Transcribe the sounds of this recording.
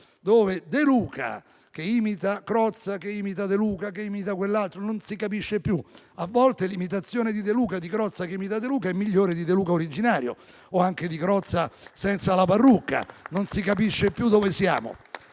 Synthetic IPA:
d̪oːved̪eluːkʰa̰ | k̟eiːmit̪akɾɔt̪sːakeiːmit̪̬ad̪eluːkakeiːmit̪akwelːalt̪ɾononsikapiʃːepju | avːɔlt̪elimit̪at̪sːjoːned̪id̪eluːkad̪ikɾɔt̪sːakeimit̪ad̪eluːkaɛmːiʎːoːɾed̪id̪eluːkaoɾid͡ʒinaːɾjo̰ | oaŋk̟ed̪ikɾɔt̪sːasɛnt̪salaparːukːa̰nonsikapiʃːepjud̪ovesja̰ːmo̰

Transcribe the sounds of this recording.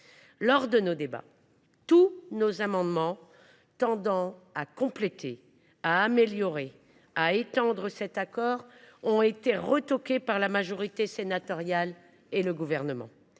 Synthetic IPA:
lɔʁd̪ənod̪eba̰ | t̪unozamɑ̃d̪mɑ̃ | t̪ɑ̃d̪ɑ̃akɔ̃plet̪ʰe | aːmeljɔʁe | aet̪ɑ̃d̪ʁəsɛt̪akɔʁɔ̃et̪eʁət̪ɔkʲepaʁlamaʒɔʁit̪esenat̪ɔʁjal | eləɡuvɛʁnəmɑ̰̃

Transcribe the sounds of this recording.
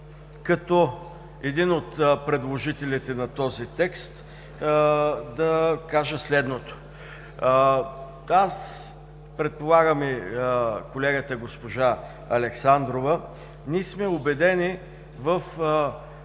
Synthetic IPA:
kɐt̪ɔ | ɛd̪inot̪pɾɛd̪lˠoʒit̪ɛlit̪ɛnɐt̪ɔzit̪ɛkst̪ | d̪ɐkaʒəslɛd̪not̪o̥ | as | pɾɛt̪̚polˠaɡəmi | kolɛɡət̪əɡospoʒa | ɐlɛksand̪ɾovə | nismɛobɛd̪ɛni | vəf

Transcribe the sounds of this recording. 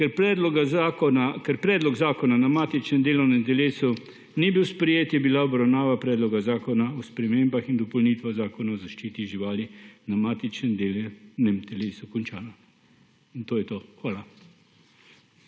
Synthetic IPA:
kɛɾpɾɛːd̪lɔɡazaːkɔnakɛɾpɾɛːd̪lɔɡzaːkɔnanamaːt̪it͡ʃnɛmd̪eːlɔwnɛmt̪ɛleːsu | nibiwspɾɛjeːt̪jɛbilaɔbɾawnaːʋapɾɛːd̪lɔɡazaːkɔnaɔspɾɛmeːmbaxind̪ɔpɔlniːt̪ʋazaːkɔnaɔzaʃt͡ʃiːt̪iʒiʋaːlinamaːt̪it͡ʃnɛmd̪elnɛmt̪ɛleːsukɔnt͡ʃaːna | int̪oːjɛt̪oxʋaːla

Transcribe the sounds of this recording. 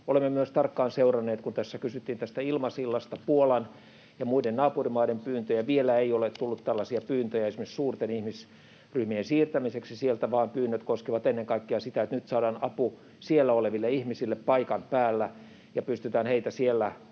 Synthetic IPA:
olemːemyøst̪ɑrkːɑːnseurɑnːeːt̪kunt̪æsːækysyt̪ːiːnt̪æst̪æilmɑsilːɑst̪ɑpuolɑn | jɑmuidennɑːpurimɑidempyːnt̪øjæʋielæeiolet̪t̪ulːut̪t̪ælːɑsiɑpyːnt̪øjæesimessuːrt̪enihmis | ryhmiensiːrt̪æmiseksisielt̪æʋɑːmpyːnːøt̪koskiʋɑt̪enːeŋkɑikːeɑsit̪æet̪nyt̪sɑːdɑːnɑpu | sielːæoleʋilːeihmisilːeppɑikɑnpæːlːæ | jɑpyst̪yt̪æːnheit̪æsielːæ

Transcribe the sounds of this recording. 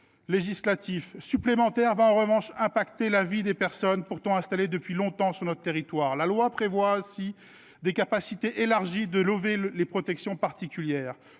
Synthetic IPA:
leʒislat̪ʰifsyplemɑ̃t̪ɛʁvaɑ̃ʁəvɑ̃ʃɛ̃pakt̪elavid̪epɛʁsɔnpuʁt̪ɔ̃ɛ̃st̪aled̪əpɥilɔ̃t̪ɑ̃syʁnɔt̪χət̪eʁit̪waːʁlalwapχevwasi | d̪ekapasit̪eʔelaʁʒid̪əlovelepχɔt̪ɛksjɔ̃paʁt̪ikʲyljɛːʁ

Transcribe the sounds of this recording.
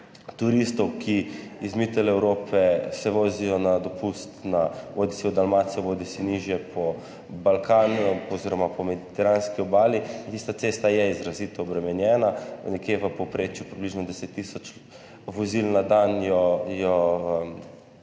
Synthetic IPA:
t̪uɾist̪ɔwkʰiizmit̪ɛlɛwɾoːpʰɛsɛʋoːzijɔnad̪ɔpust̪naʋod̪isiɔd̪almat̪sijɔʋoːd̪isiniʒjɛpʰɔ | balkaːnɔziːɾɔmapɔmɛd̪it̪ɛɾanskiɔbaːliint̪ist̪at̪sest̪ajɛizɾazit̪ɔːbɾɛmɛnjɛːnanɛkjeʋəpɔpɾeːt͡ʃjupɾibliʒnɔd̪ɛset̪ːisɔt͡ʃ | ʋɔzilnad̪anjɔjɔ

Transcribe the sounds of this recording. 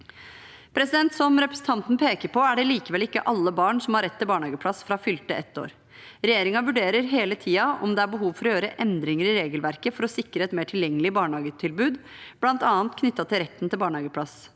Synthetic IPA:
pʰɾɛsɪd̪ɛnt̪sɔmɾɛpɾɛsn̩t̪ʰɑnt̪n̩pʰeːkəɾpʰɔæɖɛliːkəʋɛlɪkːə̰ʔɑlːəbɑːɳsɔmhɑɾɛt̪ʰːɪlbɑːɳhɑːɡəpʰlɑsfɾɑfʏlt̪əɛt̪ːo̰ːɾ | ɾɛjeːɾɪŋɑʋʉɖeːɾəɾɦeːlət̪ʰiːɑɔ̰md̪ɛæɾbəɦuːʋfɔɾɔjøːɾəʔɛnd̪ɾɪŋəɾɪɾeːɡəlʋæɾkəfɔɾɔsɪkɾəɛt̪meːʈʰɪljɛŋːəlɪbɑːɳhɑːɡət̪ʰɪlbʉːd̪ | b̥lɑnt̪ɑːnt̪kʰnʏt̪ːɑt̪ɪlɾɛt̪ːn̩t̪ʰɪlbɑːɳhɑːɡəpʰlɑs

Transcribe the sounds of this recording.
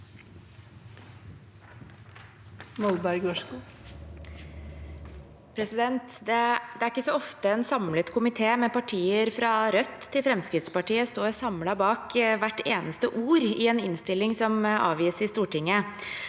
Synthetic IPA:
mɔlbɑɪɡɔːʂkuː | pʰɾɛsɪd̪ɛnt̪d̪ɛd̪ɛæɾɪkːəsɔɔft̪əɛnsɑmlət̪kʰʊmɪt̪ʰeːmɛpɑʈʰiːəɾfɾɑɾœt̪ʰːɪlfɾɛmskɾɪt̪spɑʈiːəst̪oːɾsɑmlɑbɑːkʋæʈːeːnəst̪əʔuːɾɪɛnɪnst̪ɪlːɪŋsɔmɑ̰ːʋjiːsɾɪst̪uːʈɪŋːə

